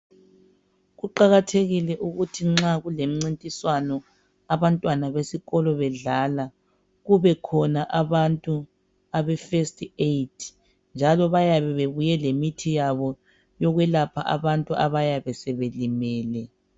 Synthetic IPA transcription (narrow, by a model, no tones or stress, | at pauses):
ɣuǃaɣatʰeɣilɛʔuɣutʰiŋ͡ǁaɣulem̩ŋ͡ǀintʼiswanɔ | aβantʼwanaβesiɣɔlɔβɛɮala | ɣuβɛkʰɔnaʔaβantʼu | aβɛfestʰʼejtʰ | nd͡ʒʱalɔβajaβɛβeβujɛlemitʰijaβɔ | jɔɣwɛlapʰa̰ʔaβantʼuaβajaβɛsɛβelimɛːlɛ